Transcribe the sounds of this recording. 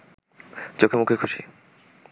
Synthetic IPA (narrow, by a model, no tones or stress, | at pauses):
d͡ʑokʰemukʰekʰuʃḭ